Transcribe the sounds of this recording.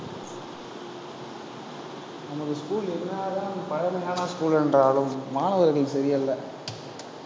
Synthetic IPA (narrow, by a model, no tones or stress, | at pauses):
nɐmɐðɯskuːɭɪɾɯnd̪aːðaːnɐmːpɐɻɐmɐjaːnɐskuːɭɛndraːɭɯmːaːnɐʋɐɾɣɐɭsɐɾɪjɐlːɐ